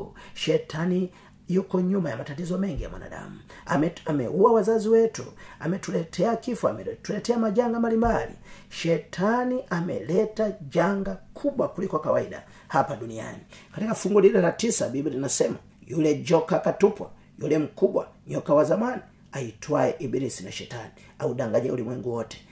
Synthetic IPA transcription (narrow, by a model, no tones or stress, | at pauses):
ʃɛtʰani | jukɔɲumajamatatizɔmɛŋɡija̰mwa̰na̰ɗa̰muaamɛ̰ʔuawazaziwɛtṵamɛtulɛtʰɛakifua̰mɛtulɛtɛamad͡ʒaŋɡambalimbalḭʃɛtʰaniʔamɛ̰lɛtad͡ʒaŋɡakʰubwakulikwakawaida̰ | hapadunia̰nikatikafuŋɡuliɾɛlatisabibiɾinasɛma | julɛɟɔkakatupwa̰ | julɛm̩kubwa̰ɲɔkawazamani | aitwaɛʔibiɾisinaʃɛtani | audaŋɡaɲɛ̰ulimwɛŋɡuwɔtɛ̥